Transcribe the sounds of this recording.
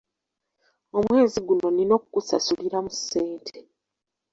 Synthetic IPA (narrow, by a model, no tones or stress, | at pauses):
o̞mwe̞ːziɡuno̞nino̞kukusa̰suliɾamusːe̞ːntʰe